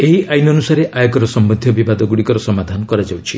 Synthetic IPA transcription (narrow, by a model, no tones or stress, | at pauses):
eɦiʔajnɔnusaɾeʔajɔkɔɾɔsɔmbɔd̪ʱjɔbibad̪ɔɡuɽikɔɾɔsɔmad̪ʱanɔkɔɾad͡ʒawt͡ʃʰi